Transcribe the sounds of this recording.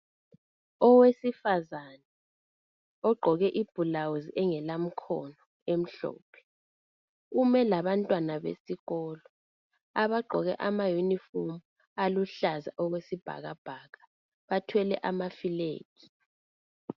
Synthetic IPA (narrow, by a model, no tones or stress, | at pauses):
ɔwesifazanɛ | ɔɡ͡ǃʱɔɣɛʔib̥ʱulawuziʔɛŋɛlam̩kʰɔ̰nɔ | em̩ɬɔ̰ːpʰɛ̥ | umɛlaβantʼwanaβḛsiɣɔːlɔ | aβaɡ͡ǃʱɔɣɛ̰ʔamajunifomu | aluɬaza̰ʔɔwesib̥ʱa̰ɣab̥ʱaːɣa | βatʰwɛlɛ̰ʔamafilḛːɡ̥i